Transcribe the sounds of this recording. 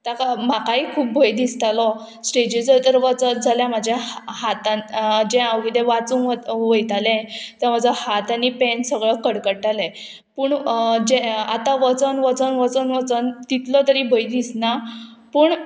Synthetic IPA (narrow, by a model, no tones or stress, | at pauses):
t̪akam̤akaɦikʰuːp̚bʱəjd̪ist̪alɔ | sʈed͡ʑid͡zət̪əɾʋət͡sətd͡zʱaljamad͡ʑʱjahat̪and͡ʑɛ̃awɡid̪eʋat͡sũŋʋəjt̪alɛ̃t̪əm̤ad͡zahat̪anipɛ̃nsəɡɭəkəɽkəɽʈalɛ | puːɳd͡ʑɛa̰t̪ãʋət͡sənʋət͡sənʋət͡sənʋət͡sənt̪it̪lɔt̪əɾiːbʱəjd̪isnapəːɳ